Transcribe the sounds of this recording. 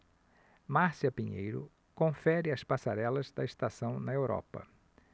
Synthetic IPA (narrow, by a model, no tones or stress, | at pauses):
maɾsiɐpĩɲḛjɾʊ̰ | kõfɛɾɪɐspasaɾɛlɐzd̪ɐest̪asɐ̃w̃nɐewɾɔ̰pɐ̰